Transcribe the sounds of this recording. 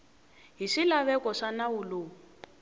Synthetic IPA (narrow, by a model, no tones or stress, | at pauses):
ɦiʂilaβɛkɔʂanawuloː